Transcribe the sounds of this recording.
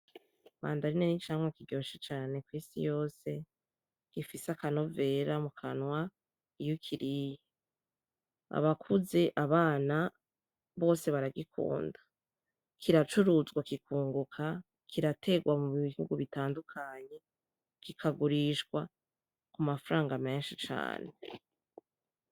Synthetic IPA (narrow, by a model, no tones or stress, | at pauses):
βa̰ːndaɾinenit͡ʃaːŋwakiɟoːʃet͡ʃaːne̞kwiːsḭjo̞ːse̞ | ɡ̥ifisakano̞ve̞ɾamukʰanwa | ijukʰiɾije | a̰βakʰuze̞ʔaβaːna | βo̞ːse̞βaɾaɡikʰṵːndḁ | kʰiɾat͡ʃuɾuzɡwakikuːŋɡukʰa | kʰiɾatʰe̞ɡwamuβiihuɡuβitaːndukʰaɲe̞ | kikʰaɡuɾiʃɡwa | kumafaɾaːŋɡame̞ːnʃit͡ʃa̰ːne